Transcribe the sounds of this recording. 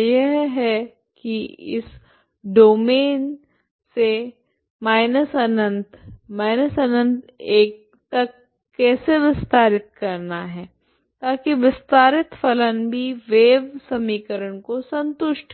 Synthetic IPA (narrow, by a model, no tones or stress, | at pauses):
jɐɦɦɛ | kiɪ̰s | ɖoːmeːn | se | maːɪnəsɐnə̃nt̪maːɪnəsɐnə̃nt̪eːk̚ | t̪ɐkː | ɛːseʋɪst̪aːɾɪt̪̚kɐɾnaɦɛː | t̪aːkiʋɪst̪aːɾɪt̪fʰɐlənbʱiʋeːʋsɐmiːkəɾəɽ̃kosɐ̃nt̪ʊʃʈʰ